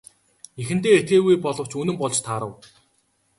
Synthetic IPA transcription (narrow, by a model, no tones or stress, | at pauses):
exɘ̆n̥t̪eːet̪ɡeːɣujpɔɮɞ̆w̥t͡ɕɵnɵ̆mpɔɮt͡ɕt̪ʰaːɾə̆w